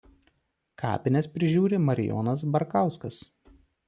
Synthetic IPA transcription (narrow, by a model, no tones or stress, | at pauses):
kʰɑ̰ːpʲɪnʲɛspʲɾʲɪʒʲuːɾʲemɐɾʲɪ̰jɔ̰ːnɐs̬bɐɾkɑˑʊskɐs